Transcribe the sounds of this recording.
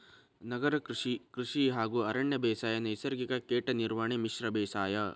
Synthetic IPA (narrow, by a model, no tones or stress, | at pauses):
nɐɡɐɾɐkɾiʂiɦaːɡuːɐɾɐɳjɐbɛːsaːjɐnɐjsɐɾɡikɐkeːʈɐniɾʋaːɳemiʃɾɐbɛːsaːjɐ